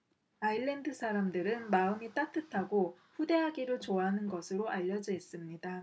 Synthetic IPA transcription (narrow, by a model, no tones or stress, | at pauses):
aiɭːe̞ndɯsʰaɾamdɯɾɯnmaɯmit͈atʰɯtʰaɡo | ɸude̞ɦaɡiɾɯɭt͡ɕoaɦanɯnɡʌsʰɯɾoʔaʎːʌd͡ʑʌes͈ɯmɲida